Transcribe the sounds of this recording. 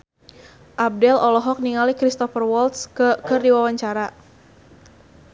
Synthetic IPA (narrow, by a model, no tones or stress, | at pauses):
ʔab̚dɛlɔlɔɦɔk̚niŋalikɾist̪ɔfərwɔlt̪skərdiwawaɲt͡ʃaɾa